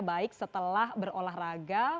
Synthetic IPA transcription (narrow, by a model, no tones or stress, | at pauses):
baɪk̚sət̪əlahbərolaɦraɡa